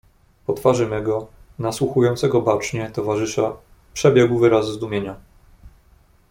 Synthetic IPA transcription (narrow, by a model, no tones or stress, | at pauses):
pɔt̪faʐɘmʲɛɡɔ | naswuxujɔ̃nt̪sɛɡɔbat͡ʂɲɛt̪ɔvaʐɘʂa | pʂɛbʲjɛɡwvɘɾaszd̪umʲjeɲa